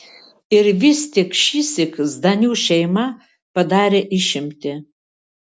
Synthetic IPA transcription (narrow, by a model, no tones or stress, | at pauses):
ɪɾʋʲɪst̪ʲɪkʃʲisʲɪkzd̪ɐnʲuːʃʲɛɪmɐ | pɐd̪ɑːɾʲeːʔɪʃʲɪmʲt̪ʲɪ